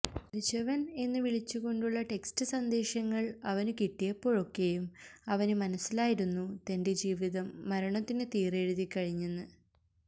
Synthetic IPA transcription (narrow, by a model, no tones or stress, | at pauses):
pɾid͡ʑɐʋɐne̞nːɨʋiɭit͡ɕːuɣo̞ɳɖuɭːɐʈe̞kstɨsɐnd̪e̞ːɕɐŋːɐɭɐʋɐnukiʈːijɐpːo̞ːɻo̞kːe̞jumɐʋɐnɨmɐnɐsːilaːjiɾunːut̪ɐnde̞d͡ʑiːʋiðɐmːɐɾɐɳɐt̪ːinɨt̪iːreːɻuðikʲːɐɻiɲːunːɨ